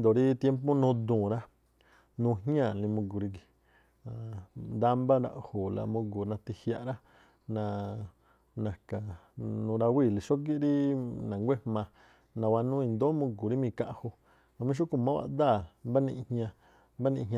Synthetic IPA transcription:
nd̪o˨ɾi˦t̪je˦mp̬o˦nũː˧d̪ũː˨ɾa˦ | nũ˧ɦɲã˦˨lĩ˧mũ˧ɡu˨ɾi˧ki˨ | a˨nd̪a˦mba˦ɾa̰˧ʔho˨la̰˧mũ˧ɡu˨nã˧t̪i˧hja˧ʔɾa˦ | nã˧ | nã˨ka˨nũ˧ɾa˧wi˦˨li˨ʃo˦k̬i˦ɾi˦nã˨ŋɡʷe˦hmã˧ | nã˧wa˧nũ˦i˧nd̪o˦mũ˧ɡu˨ɾi˦mĩ˧ka˧ʔho˧ | ã˧mĩ˦ʃ̬u˦ku˨mã˦wa̰˧d̪a˦˨mba˦nĩ˧ʔhɲã˧ | mba˦nĩ˧ɦɲ˦˧ã˧

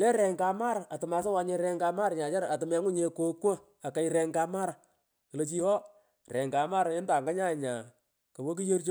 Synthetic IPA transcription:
lɛ˦ɾɛ˨ŋka˨˧ma˦ɾa˨tɨ˨ma˨˧sa˦wa˨˦ɲe˧ɾɛ˧ŋka˧ma˦ɾɲa˨t͡ʃa˦ɾa˨tɪ˨mɛ˨˦ŋʊ˦ɲe˧ko˦kwo˦ | a˨ka˨jɾɛ˨ŋka˧ma˦ɾa˨ | kə˨lo˨t͡ʃi˦hɔ˦ | rɛ˨ŋka˨ma˦ɾɪ˦nda˨ŋɡa˦ɲa˦˨ɲa˨ | ko˨wo˦k̬i˦je˦rt͡ʃo˦

